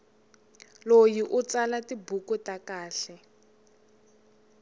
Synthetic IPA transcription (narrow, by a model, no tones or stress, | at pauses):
lojiʔut͡salatibukutakaːɬɛ